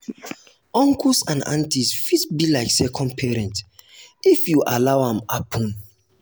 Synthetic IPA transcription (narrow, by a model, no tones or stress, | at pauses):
ɔ̃ŋkusãnã̰ntisfitbilaɪksɛkʰɔ̃nd̚pʰɛɹɛ̃ntifjuʔalawhãmapʰɔ̃n